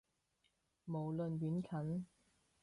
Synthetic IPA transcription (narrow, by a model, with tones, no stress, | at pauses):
mo˨˩wlɵ˨nɥyː˨˥nkʰɐ˨˥n